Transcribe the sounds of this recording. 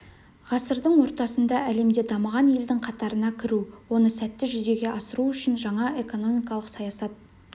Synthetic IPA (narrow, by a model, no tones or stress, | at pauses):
ʁɑsəɾd̪əɴwo̞ɾt̪ɑsənd̪ɑʔæle̞md̪e̞d̪ɑməʁɑnje̞ld̪ɪŋqʰɑt̪ɑɾənɑkʲʰɪɾuwo̞nəsæt̪ːɪʒʏze̞ɡʲe̞ʔɑsəɾuʏʃɪnʒɑɴɑʔe̞ko̞no̞mijkɑlˠəqsɑjɑsɑt̪̚